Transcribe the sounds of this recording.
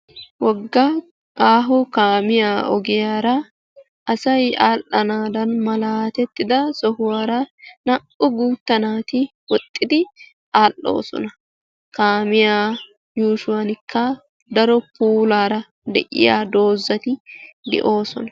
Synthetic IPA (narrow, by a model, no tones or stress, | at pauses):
wɔɡːɐ | kaːɦʊkaːmɪjaːʔɔ̰ɡɪjaːɾɐ | ʔɐsɐjaːlːɐnaːd̪ɐnmɐlaːt̪ɛt̪ːɪd̪ɐsɔhʊwaːɾɐnɐʔʊɡuːt̪ːɐnaːt̪ɪwɔt̪ʼːɪd̪ɪ | ʔaːlːo̰ːsɔ̰nɐ | kaːmɪjaː | juːʃʊwanɪkʰːɐ | d̪ɐɾɔpuːlaːɾɐ | d̪ɛ̰ʔɪ̰ja̰ːd̪o̞ːzːɐt̪ɪd̪ɛ̰ʔo̞ːsɔnɐ